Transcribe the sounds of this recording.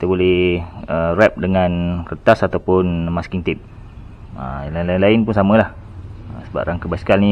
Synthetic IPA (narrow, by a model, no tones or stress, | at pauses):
kit̪əbolɛərɛp̚dəŋãnkərt̪asat̪awpʊnmaskiŋt̪ip̚ | ə̰nlainlainlainpunsamə̃lah | əsəba̰p̚raŋkəbaskalni